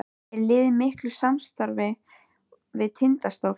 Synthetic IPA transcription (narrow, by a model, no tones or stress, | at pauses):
ɛɾlɪːðɪmɪhklʏ̥samst̪aɾvɪ | vɪðt̪ʰɪnt̪ast̪ow